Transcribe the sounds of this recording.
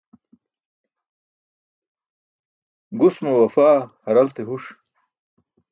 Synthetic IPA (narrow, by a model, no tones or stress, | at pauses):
ɡusmowɐfaːhɐɾɐlt̪eɦuʂ